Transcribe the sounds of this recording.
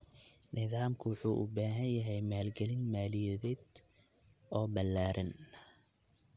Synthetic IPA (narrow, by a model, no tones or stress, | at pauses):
nɪðaːmkʰʊwʊħuːʔʊ̰baːɦɐnjɐɦɛjmaːlɡɛlɪnmaːlɪjɛðɛːd̪ | ɔːbɐlːaːɾɐn